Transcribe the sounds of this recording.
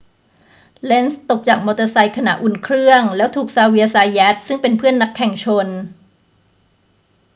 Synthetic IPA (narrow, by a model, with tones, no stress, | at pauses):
le˦˥nst̪o˨˩k̚t͡ɕaː˨˩k̚mɔː˧t̪a˧sa˧jkʰa˧na̰˨˩ʔu˨˧˩nkʰɾɯ˥˩əŋlɛː˦˥wt̪ʰuː˨˩k̚saː˧wi˧əsaː˧jjɛː˦˥t̪̚sɯ˥˩ŋpe˧npʰɯ˥˩ənːa˦˥kʰːɛ˨˩ŋt͡ɕʰo˧n